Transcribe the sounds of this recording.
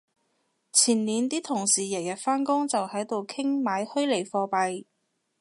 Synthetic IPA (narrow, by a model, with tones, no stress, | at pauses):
t͡sʰiː˨˩nliː˨˧nt̪iː˥t̪ʰʊ˨˩ŋsiː˨˩jɐ˨˩jɐ˨t̚faː˥nkʊ˥ŋt͡sɐ˨whɐ˨˥jt̪o˨wkʰɪ˥ŋmaː˨˧jhɵ˥ɥle˨˩jfɔː˧pɐ˨j